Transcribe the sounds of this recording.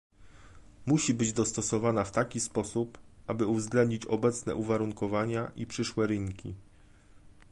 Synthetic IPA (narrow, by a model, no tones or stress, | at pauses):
muɕibɘd͡ʑd̪ɔst̪ɔsɔvanaft̪akʲispɔsupʔabɘuvzɡlɛnd̪ɲit͡ɕɔbɛt̪snɛ̰ʔuvaɾuŋkɔvaɲaʔipʂɘʂwɛɾɘŋkʲi